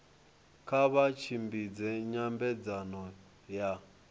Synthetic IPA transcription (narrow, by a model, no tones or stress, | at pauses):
kʰaβat͡ʃʰimbid͡zɛɲambɛd͡zanɔ | ja